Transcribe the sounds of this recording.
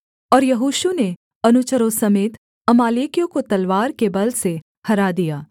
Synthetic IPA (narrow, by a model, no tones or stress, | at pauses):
ɔːɾjɐɦuːʃune | ɐnʊt͡ʃəɾõsɐmeːt̪ | ɐmaːleːkijõkot̪ɐlʋaːɾkebɐlse | hɐɾad̪ijaː